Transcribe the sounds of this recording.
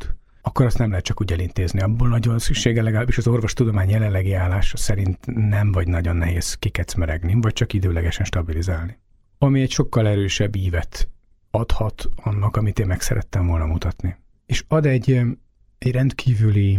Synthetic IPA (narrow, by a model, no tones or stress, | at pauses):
t̪ | ɒkːoɾɒst̪nɛmlɛɦɛt̪̚t͡ʃɒkuːɟɛlint̪eːzniɒbːoːlnɒɟvɒnsykʃeːɡɛlɛɡɒlaːbiʃɒzo̞rvo̞ʃt̪ud̪o̞maːɲjɛlɛnlːɛɡiaːlːaːʃɒsɛɾint̪nɛɱvɒɟnɒɟo̞nːɛɦeːzkikɛt̪smɛɾɛɡnivɒc̚t͡ʃɒkid̪øːlɛɡɛʃɛnʃt̪ɒbilizaːlni | ɒmiɛcʃo̞kːɒlɛɾøːʃɛbːiːvɛt̪ | ɒt̪hɒt̪ɒnːɒkɒmit̪eːmmɛksɛ̰ɾʔɛ̰t̪ːɛɱvo̞lnɒmut̪ɒt̪ni | eːʃɒd̪ɛɟ | ɛɟrɛnt̪kʰiːvyli